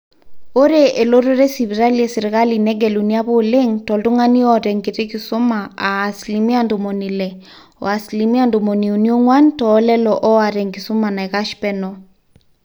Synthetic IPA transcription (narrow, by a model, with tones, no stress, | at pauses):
o˦ɾe˦ʔe˨lo˦ɾo˦ɾe˦si˨βi˨ɾa˦lie˨sɪ˨ɾɣa˦li˨nɛ˦ɡɛ˨luni˦a˦βo˦le˦ŋtɔ˨ldu˦ŋa˦ni˦ɔ˦˨ɾɛ˨ŋɡe˨ɾe˦ki˨sʊ˦ma˨aː˨slimi˦a˦ndo˨mo˨ni˨lɛ˨ | ɔ̰˨a˨slimi˦a˨ndo˨mo˨ni˨u˨ni˦o˦ŋwa˦ntɔː˦lɛ˦lɔʔɔ˦a˨ɾɛ˨ŋɡi˨su˦ma˨na˨ɛ˨ɣa˦ʃpɛ˦nɔ